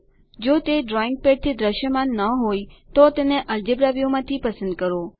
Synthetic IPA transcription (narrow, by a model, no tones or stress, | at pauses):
d͡ʒot̪eɖɾɔɪ̃ŋɡ̚peɖ̚t̪ʰid̪ɾəʃjəmãnːəɦoit̪ot̪eneʔəld͡ʒebɾaʋijomãt̪ʰipəsə̃nd̪̚kəɾo